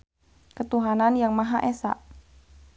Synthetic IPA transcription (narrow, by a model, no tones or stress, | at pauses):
kət̪uɦananjaŋmaɦaʔesa̰ʔ